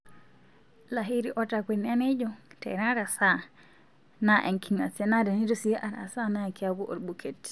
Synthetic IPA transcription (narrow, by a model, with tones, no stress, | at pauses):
la˨ɦi˦ɾi˦ʔo˦ta˨kʷi˨n˦a˦ne˦d͡ʒo˨tḛ˨ɾa˦ɾa˨sa˦˨ | na˦ʔe˨ŋki˨ŋa̰˨se˦na˦da˨ni˦du˦si˦ʔa˨ɾa̰˨sa˦na˦˨ki˦a˦ɡu˦ʔo̰˨ɾɓu˨ke˨t